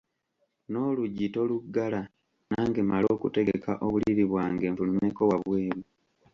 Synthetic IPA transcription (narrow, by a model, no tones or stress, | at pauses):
no̞ːluɟito̞luɡːala | naːŋɡemalo̞ːkute̞ɡeka̰ʔo̞βuliβiβwaːŋɡe̞ːɱfulumeko̞waβweːɾu